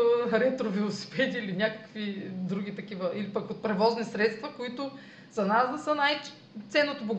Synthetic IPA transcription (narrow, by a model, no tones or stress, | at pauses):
ɾɛt̪ɾovɛlˠosi̥pɛd̪ʲiːlinʲakɐ̥kvid̪ɾuɡ̟ʲit̪ɐkivəʔilipɐkot̪̚pɾɛvɔznisɾɛt̪st̪vɐkoit̪ʊ | zɐnasd̪ɐsənaj | t̪sɛnːot̪oboɡ